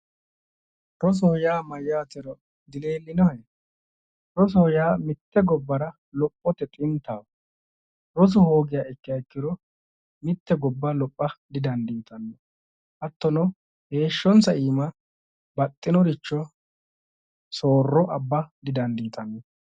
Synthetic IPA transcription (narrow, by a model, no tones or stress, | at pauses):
ɾɔs̬ɔhɔjaːmɐjːaːt̪ɛɾɔ | d̪ɪle̞ːlːɪnɔhjɛ | ɾɔs̬ɔhɔjaːmɪt̪ːɛɡɔbːɐɾɐ | lɔpʼːɔt̪ɛt̪ʼɪnt̪aːw | ɾɔs̬ɔhoːɡɪjaːɪkːɪjaɪkːɪd̪ɔ | mɪt̪ːɛɡɔbːɐlɔpʼːɐd̪ɪd̪ɐnd̪iːt̪ɐnːɔ | ʔɐt̪ːɔnɔ | he̞ːʃːɔnsɐiːmɐ | bɐt̪ʼːɪnɔɾɪt͡ʃːɔ | so̞ːrːɔʔɐbːɐd̪ɪd̪ɐnd̪iːt̪ɐnːɔ